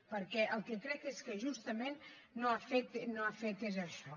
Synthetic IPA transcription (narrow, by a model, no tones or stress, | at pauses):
pəɾkɛʔəlˠkekɾɛkeskəʒust̪əmẽnː | oafet̪noafet̪ezəʃɔ